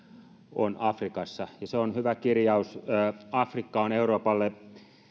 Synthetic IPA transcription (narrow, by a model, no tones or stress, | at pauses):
o̰nɑfrikɑsːɑjɑseonhyʋækirjɑusːɑfrikːɑoneuroːpɑlːe